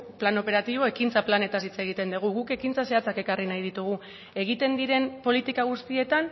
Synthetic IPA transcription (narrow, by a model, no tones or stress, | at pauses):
plano̞pe̞ɾat̪iβo̞e̞kint͡saplane̞t̪asit͡se̞ɣ̞it̪e̞nd̪uɣ̞uɣuke̞kint͡sase̞at͡sake̞karinajð̞it̪uɣ̞u | e̞ɣ̞it̪e̞nd̪iɾe̞mpo̞lit̪ikaɣ̞ust̪ie̞t̪an